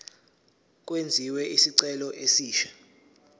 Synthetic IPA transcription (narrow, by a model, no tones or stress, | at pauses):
k̬ʼwend͡zʱiwɛʔisiǀɛlɔʔesiːʃḁ